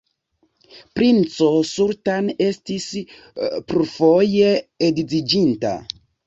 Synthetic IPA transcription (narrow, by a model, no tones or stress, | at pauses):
pɾint͡sosuɾtanestis | pɾufo̞je̞edizid͡ʒinta̰